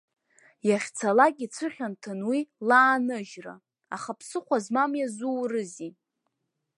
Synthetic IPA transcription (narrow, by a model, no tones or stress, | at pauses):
jaχʲt͡sʰalakʲʼit͡sʷʰɨχʲantʰɨnwilaːnɨʒra̰ | aχapʰsɨχʷazmamjazurɨzi